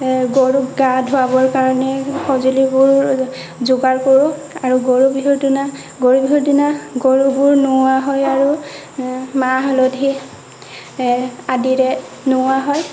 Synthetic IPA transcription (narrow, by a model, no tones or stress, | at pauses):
ɡoɹukɡadʱʊabɔɹkaɹɔnɛxʰɔzulibʊɹ | zʊɡaɹkoɹʊ̃aɹuɡoɹubiɦuɹdina | ɡoɹubʱiɦudinaɡoɹubʊɹnʊaɦɔjaɹu | maɦlɔdʱi | adiɹɛ | nʊaɦɔj